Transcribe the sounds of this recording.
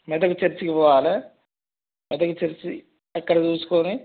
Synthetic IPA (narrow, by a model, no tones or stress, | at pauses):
mɛd̪ɐkut͡ʃɐɾt͡ʃikipɔːʋaːlɐ | mɛd̪ɐkut͡ʃeɾt͡ʃi | ɐkːɐɽɐt͡ʃuːsu̥koni